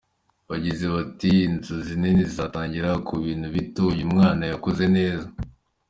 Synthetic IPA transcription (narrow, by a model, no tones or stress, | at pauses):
βaɟize̞βatiːnzuzinenizizataːɲɟiɾakʰuβiːn̥huβitojumŋaːnajakoze̞ne̞ːza